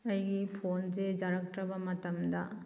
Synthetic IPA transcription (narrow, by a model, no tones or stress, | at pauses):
ɐjɡipʰonzed͡ʒaɾɐk̚tɾɐbɐmɐtɐmdɐ